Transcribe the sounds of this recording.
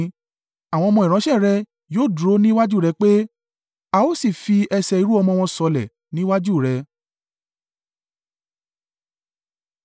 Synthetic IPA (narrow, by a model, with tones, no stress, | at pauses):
a˨w̃ɔ̃˧mɔ̃˧i˨ɾ̃ɔ̃˨˦ʃɛ˦˨ɾɛ˧ | joː˦˨dɾo˨˦nĩ˦wa˦d͡ʒu˦˨ɾɛ˧k͡pe˦ | a˧o˦si˦˨fi˧ɛ˧sɛ˧i˧ɾu˦ɔ˧mɔ̃˧w̃ɔ̃˧sɔ˧lɛ̰˨ | nĩ˦wa˦d͡ʒu˦˨ɾɛ˧